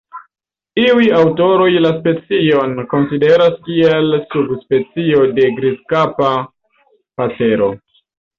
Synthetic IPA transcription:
iujawto̞ɾo̞jlaspe̞t͡sio̞nko̞nside̞ɾaskielsubspe̞t͡sio̞de̞ɡɾiskapa | pape̞ɾo̞

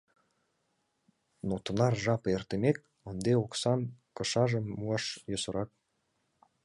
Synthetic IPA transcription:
not̪ɤ̆nɑrʒɑpert̪emek̚ | ənd̪eoksɑnkɤ̆ʃɑʒə̆mːuɑʃjosɤ̆ɾɑk̚

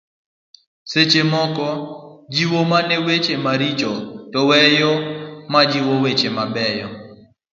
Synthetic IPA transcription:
set͡ʃemɔkɔd͡ʒiwomanɛwet͡ʃemaɾit͡ʃɔtɔwɛjɔmad͡ʒiwowet͡ʃemabɛjɔ

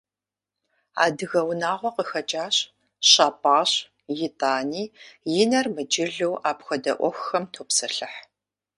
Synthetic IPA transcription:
a̰ːdɨɣɐwnaːʁʷɔqəxɐt͡ʃʼaːɕ | ɕaːpʼaːɕ | jɪtʼaːniːjɪnɐrmɨd͡ʒɪɮɨwʔaːpxɐdɐʔʷɔxxɐmtʰoːpsɐɬɨħ

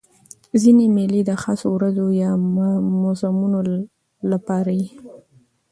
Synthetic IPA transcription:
zinemɪlid̪əxɑsowɾazojɑmʊzamuno | lapɑɾaji

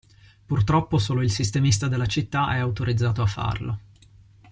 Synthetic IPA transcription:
purt̪ɾɔpːosoːloilsist̪emist̪ad̪elːat͡ʃit̪ːaʔɛawt̪oɾid̪zːaːt̪oafːa̰rlo̰

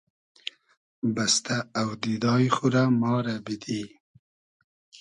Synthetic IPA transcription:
bast̪aːwd̪id̪ɑːjxuɾamɑːɾabid̪i

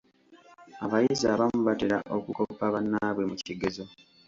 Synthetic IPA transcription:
aβajiziaβamuβateɾaʔo̞kuko̞pːaβanːaβwe̞muciɡezo

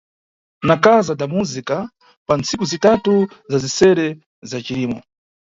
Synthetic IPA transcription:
nakazadamuzika | pant͡sikuzitatu | zazisɛɾɛ | zat͡ʃiliːmɔ̰

